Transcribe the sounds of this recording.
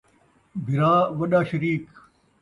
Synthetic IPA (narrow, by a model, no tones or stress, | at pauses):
bʱiɾaːʋɐɗaːɕɐɾiːk